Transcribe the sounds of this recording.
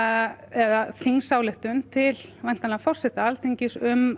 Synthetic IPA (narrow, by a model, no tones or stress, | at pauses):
ɛðaθiŋsawlɪht̪ʏnt̪ʰɪlvajn̥t̪anafɔr̥sɛht̪aalt̪ʰeɲcɪsʏm